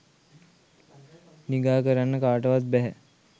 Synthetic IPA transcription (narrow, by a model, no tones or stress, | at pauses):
niɡaːkəɾanːəkaːʈəʋat̪̚bɛɦɛ